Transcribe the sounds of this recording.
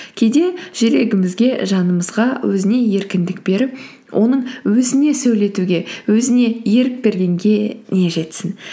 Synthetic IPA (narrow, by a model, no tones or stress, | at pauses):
kʲʰejd̪e̞ʒ̥eɾe̞ɡʲɪmɪzɡʲe̞ʒɑnəməzʁɑwɵzɪne̞je̞ɾkʲɪnd̪ɪk̚b̥e̞ɾɪp | wʔo̞̰nəɴwɵzɪne̞sɵjle̞t̪uɡʲe̞wɵzɪne̞je̞ɾɪk̚be̞ɾɡʲe̞ŋɡʲe̞ne̞ʒe̞t̪sɪn